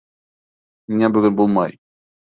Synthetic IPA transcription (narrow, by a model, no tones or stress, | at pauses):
miŋæbɵ̆ɡɵnbulˠmɑj